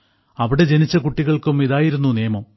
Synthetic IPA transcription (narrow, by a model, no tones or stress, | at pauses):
ɐʋiɽe̞d͡ʑenit͡ɕːɐkuʈːiɣɐɭkumiðaːjiɾunːuneːɐmɐm